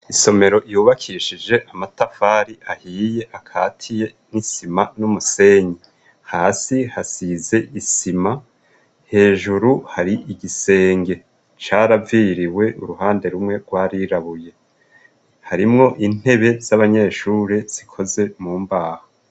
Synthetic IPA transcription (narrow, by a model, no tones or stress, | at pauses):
iso̞me̞ɾo̞ʔjuːβakʰiʃid͡ʒe̞ʔamatafaɾiʔahiːje̞ʔakʰaːtʰije̞nisimanumuse̞ːɲi | haːsihasize̞ʔisima | he̞ːʒuɾuhaɾiʔiɡise̞ːŋɡe̞ | t͡ʃaɾaviɾiwe̞ʔṵɾuhaːnde̞ɾumŋe̞ɡ̥waːɾiɾaβuje̞ | haɾimŋo̞ʔin̥e̞βe̞z̥aβaɲe̞ːʃuːɾez̥ikʰo̞ze̞muːmbaːho